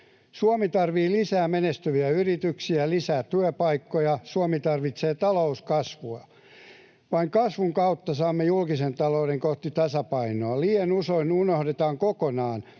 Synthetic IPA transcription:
suomit̪ɑrʋiːlisæːmenest̪yʋiæyrit̪yksiælisæːtt̪yøpɑikːojɑsuomit̪ɑrʋit̪seːt̪ɑlouskɑsʋuɑ | ʋɑiŋkɑsʋuŋkɑut̪ːɑsɑːmːejulkisent̪ɑloudeŋkoht̪it̪ɑsɑpɑinoɑliːenusoinunohdet̪ɑːŋkokonɑːn

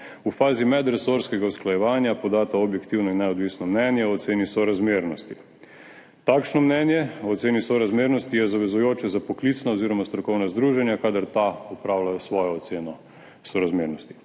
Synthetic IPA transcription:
ufaːzimɛd̪ɾɛsoɾskɛɡausklajɛʋaːnjapɔd̪aːt̪aobjɛkt̪iwnɔinːɛɔd̪ʋisnɔmnɛnjɛɔt̪seːnisɔɾazmeːɾnɔst̪i | t̪akʃnɔmnɛnjɛːt̪seːnisɔɾazmeɾnɔst̪ijɛzaʋɛzujoːt͡ʃɛzapɔklit̪snaoziɾɔmast̪ɾɔkɔwnazd̪ɾuːʒɛnjakaːd̪aɾt̪aɔpɾawlajɔsʋɔːjɔːsenɔ | sɔɾazmeːɾnɔst̪i̥

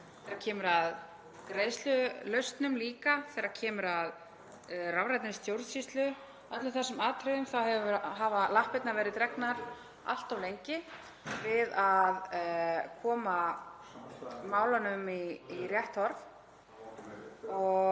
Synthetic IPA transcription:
θɛɾacʰɛːmʏɾað | kɾejðst̪lʏlœɥst̪nʏmliːkaθɛːɾḁcʰɛːmʏɾað | ravɾajt̪ɪnɪst̪jowɾðsist̪lʏ | œt̪lʏθɛsːʏmaːt̪ʰɾɪðʏmθawhɛvɾɦaːvalahpɪt̪naɾvɛːɾɪt̪ɾɛknaɾ | a̰l̥t̪awlejɲcɪ | vɪðað | kʰɔːma | maːwlanʏmiːrjɛht̪hɔɾv | ɔ

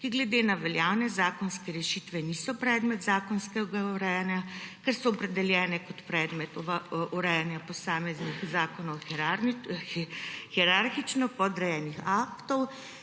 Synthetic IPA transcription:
kiɡlɛd̪enaʋɛljawnɛzaːkɔnskɛɾɛʃit̪ʋɛniːsɔpɾɛːd̪mɛt̪zaːkɔnskɛɡauɾɛjanjakɛɾsɔɔpɾɛd̪ɛljɛːnɛkɔt̪pɾɛːd̪mɛt̪ɔʋauɾɛjanjapɔsaːmɛznixzaːkɔnɔw | xiɛɾaɾxit͡ʃnɔpɔd̪ɾɛjɛːnixaːkt̪ɔw

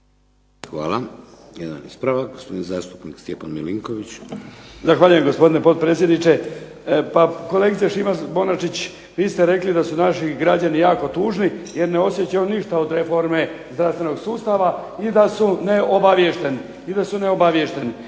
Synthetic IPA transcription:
xʋa̰ːla | jed̪a̰nḭspɾaʋaɡospod̪inza̰ːst̪u̥pnikst̪jepanmiliŋkoʋit͡ɕ | zaxʋaːʎujemɡo̞spo̞d̪ine̞po̞t̪̚pɾe̞t̪sjed̪nit͡ʃe̞ | pako̞le̞ɡit̪sijeʃimabonat͡ʃit͡ɕ | ʋiːst̪e̞ɾe̞klid̪asunaʃiɡɾad͡ʑanijaːko̞t̪uːʒnije̞ɾne̞o̞sje̞t͡ɕajoniʃt̪aod̪ɾe̞fo̞ɾme̞zd̪ɾafst̪ʋe̞no̞ɡsuːst̪aʋaid̪asune̞obaʋjeʃt̪e̞ni | id̪asune̞o̞baʋje̞ʃt̪e̞ni

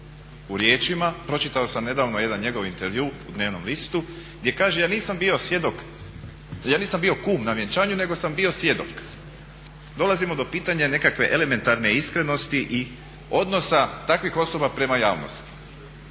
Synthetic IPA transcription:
uɾje̞ːt͡ʃimapɾo̞t͡ʃit̪aosamne̞d̪aːʋno̞je̞d̪anɲe̞ɡo̞ʋint̪eɾʋjuːd̪ne̞ːʋno̞̰mlist̪u | ɡd̪je̞kaːʒejaːniːsambio̞sʋjed̪ok | jaːniːsambio̞kuːmnaʋjet͡ʃaːɲune̞ɡo̞sambio̞sʋje̞d̪ok | d̪o̞lˠazimo̞d̪o̞piːt̪aɲane̞kakʋe̞ʔele̞me̞nt̪aɾne̞iskɾe̞no̞st̪iʔi | o̞d̪no̞sat̪akʋixo̞so̞bapɾe̞majaːʋno̰st̪i̥

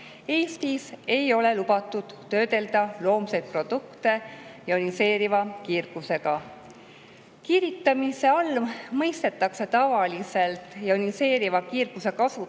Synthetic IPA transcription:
e̞ːst̪ise̞jo̞le̞lubɑt̪ːˑud̪̥ːø̞ːd̪̥e̞ld̪̥ɑlo̞ːmsejd̪̚pro̞d̪̥ukt̪e̞jɑonise̞ːɾivɑkirɡ̥use̞ɡ̥ɑ | kiɾit̪ːˑɑmise̞ɑlmɤjst̪e̞t̪ːˑɑkse̞t̪ɑvɑlise̞lt̪ˑjɑonise̞ːɾivɑkiːrɡ̥use̞kɑsu

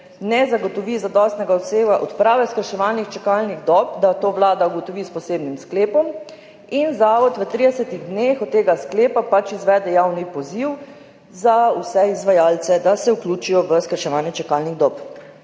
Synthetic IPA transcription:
nɛzaɡɔt̪ɔʋizad̪ɔst̪nɛɡaɔseːɡaʔɔt̪pɾaːʋɛskəɾʃɛʋaːlnixt͡ʃɛkalniɣd̪ɔpd̪at̪oːʋlaːd̪auɡɔt̪ɔʋispɔseːbnimskleːpɔm | inzaːʋɔt̪ʋət̪ɾid̪ɛsət̪iɣd̪nexɔt̪t̪ːeːɡaskleːpapat͡ʃizʋɛːd̪ɛjawnipɔziw | zausɛizʋajaːlsɛd̪asɛukluːt͡ʃijɔʋəskəɾʃɛʋaːnjɛt͡ʃɛkalniɣd̪ɔːp

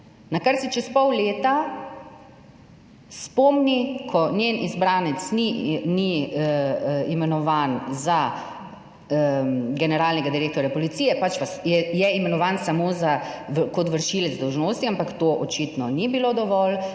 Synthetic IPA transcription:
nakaɾsit͡ʃɛspɔwleːt̪a | spɔːmnikʰɔnjeːnʔizbɾaːnɛt̪snini | imɛnɔʋaːnza | ɡɛnɛɾaːlnɛɡad̪iɾeːk̚t̪ɔɾjapɔlit̪siːjɛpat͡ʃpasjɛjɛimɛnɔʋaːnsamoːzakɔt̪ʋəɾʃilɛd̪zd̪ɔwʒnoːst̪iampakt̪oːʔɔt͡ʃit̪nɔnibilod̪ɔʋɔl

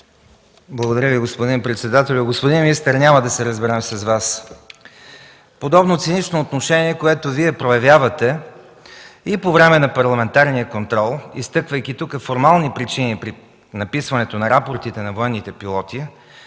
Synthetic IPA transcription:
blˠɐɡod̪ɐɾʲjəviɡospod̪inpɾɛt̪sɛd̪at̪ɛlʲʊɡospod̪inmiist̪əɾnʲaməd̪ɐsɛɾəzbɛɾɛmsɐzvas | pod̪ɔbnot̪sɛnit͡ʃnoːt̪noʃɛniɛkoɛt̪oviɛpɾojɐvjavɐt̪ɛ | ipovɾɛmɛnɐpɐɾlˠɐmɛnt̪aɾnijəkont̪ɾɔlˠist̪ɤkvəjkit̪ukəfoɾmalˠnipɾit͡ʃinipɾi | nɐpisvɐnɛt̪onɐɾapoɾt̪it̪ɛnɐvoɛnːit̪ɛpilˠɔt̪i

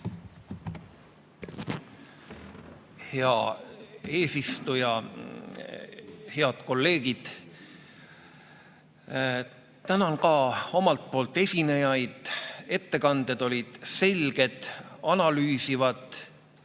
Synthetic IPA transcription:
heɑ | e̞ːsist̪ujɑ | he̞ɑd̪̥ko̞lːe̞ːɡid̪̥ | t̪ænɑnkɑːo̞mɑlt̪̚po̞ːlt̪ːˑe̞sʲine̞jɑjd̪̥e̞t̪ːe̞kɑnd̪̥e̞d̪̥o̞lʲid̪̥se̞lʲɡ̥e̞d̪̥ɑnɑlyːsivɑd̪ˑ

